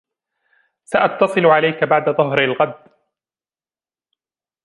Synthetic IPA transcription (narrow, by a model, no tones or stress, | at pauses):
saʔɑt̪ːɑsˤɨlʊʕalajkabaʕd̪aðˤʊɦɾalɣad̪ː